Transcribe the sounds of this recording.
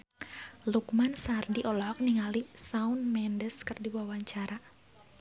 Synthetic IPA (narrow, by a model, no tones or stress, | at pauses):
lukmansardiʔɔlɔɦɔk̚niŋalisaunmɛndəskɨrdiwawaɲt͡ʃaɾa